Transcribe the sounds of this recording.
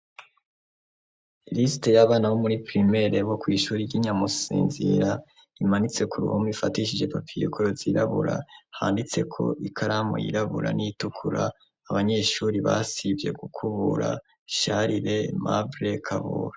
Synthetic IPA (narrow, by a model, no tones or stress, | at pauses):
ɾisi̥te̞jaβaːnaβomuɾipɾime̞ɾeβo̞kwiːʃuːɾiɟiɲamusḭːnzḭɾa | imanit͡se̞kuɾṵhomifatiʃid͡ʒe̞papʰijokʰoɾoziɾaβuɾa̰haːndit͡se̞kʰo̞̰ʔikʰaɾamo̰jḭɾaβṵɾa̰niitukʰuɾa̰ː | βaɲe̞ʃuːɾiβa̰sivje̞ɡukʰuβuɾa̰ | ʃaɾiɾe̞ma̰vɾe̞kʰaβṵɾa